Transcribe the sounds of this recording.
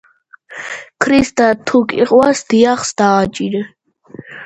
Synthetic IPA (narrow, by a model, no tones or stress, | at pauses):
kʰɾist̪ʼat̪ʰukʼḭqʼwasd̪̥ijaχsd̪̥aːt͡ʃʼiɾ